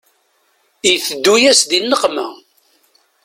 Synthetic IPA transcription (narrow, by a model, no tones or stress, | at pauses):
iθəd̪ːujæsðinːəqmæ̰